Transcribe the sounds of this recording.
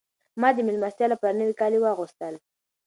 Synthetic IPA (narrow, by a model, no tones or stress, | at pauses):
mɑd̪əmɪlmast̪jɑlapaɾnəwikɑliwaɣust̪əl